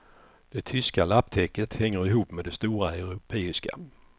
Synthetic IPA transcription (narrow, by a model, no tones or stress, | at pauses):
d̪̥ɛt̪ʰʏskalapːt̪ʰɛkːət̪hɛŋːəɾɪɦuːpːmed̪ɛst̪uːɾaɛɾʊpʰeːɪska̰